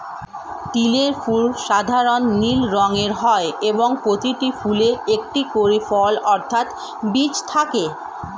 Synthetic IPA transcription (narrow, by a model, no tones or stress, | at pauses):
ʈileɾfulʃad̪ʱaɾonːilɾɔŋeɾɦɔeeboŋpɾot̪iʈifuleek̚ʈikoɾifɔlɔɾt̪ʰat̪ | bit͡ɕt̪ʰake